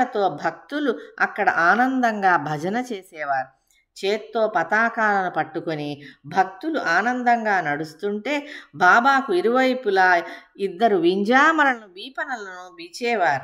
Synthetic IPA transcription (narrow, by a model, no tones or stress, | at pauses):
ɐt̪o̞ːbʱɐk̚t̪uluɐkːɐɽɐ̰ʔaːnɐnd̪ɐŋɡaːbʱɐd͡ʒɐnɐt͡ʃe̞ːsɛːʋaːɾu | t͡ʃeːt̪ːo̞ːpɐt̪aːkaːlɐnupɐʈːuko̞nibʱɐk̚t̪uluʔaːnɐnd̪ɐŋɡaːnɐɽust̪uɳʈe̞ːbaːbaːkuiɾuʋɐjpulaːid̪ːɐɾuʋiɲd͡ʒaːmɐɾɐnuʋiːpɐnɐlɐnuʋit͡ʃɛːʋaːɾu